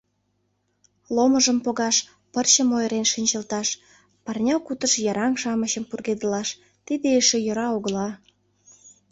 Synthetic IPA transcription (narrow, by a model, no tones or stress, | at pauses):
loməʒəmpoɣɑʃ | pərt͡ɕə̆mojəɾenʃinʲt͡ɕəlt̪ɑʃ | pɑrnʲɑkut̪əʃjɑɾɑŋʃɑməɕəmpurɣed̪əlɑʃ | t̪id̪eeʃejŏɾɑoɣə̆lɑ